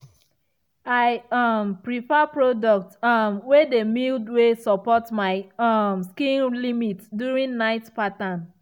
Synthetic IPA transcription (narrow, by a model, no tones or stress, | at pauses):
aɪʌmpɹifɛpɹodɔk̚tmwedemildwesɔpɔtmaɪmskĩnlimitdjuɹĩnnaɪtpatãn